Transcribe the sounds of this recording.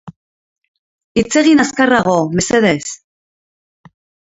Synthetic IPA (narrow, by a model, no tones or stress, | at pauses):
it͡se̞ɣinaskaraɣ̞o̞me̞se̞ðe̞s